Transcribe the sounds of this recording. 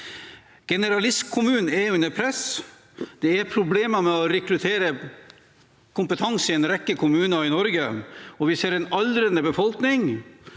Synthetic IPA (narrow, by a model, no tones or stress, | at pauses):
ɡ̥ɛnəɾɑlɪskʰːʊmʉːnn̩eʉnəpʰɾɛs | d̪̥ɛæɾpʰɾʊbleːməmɛɔɾɛkɾʉt̪ʰeːɾə | kʰʊmpət̪ʰɑŋsɪɛnɾɛkːəkʰʊmʉːnɑɪnɔɾɡəɔʋɪseːɾɛnɑlɾənd̪əbəfɔlknɪŋ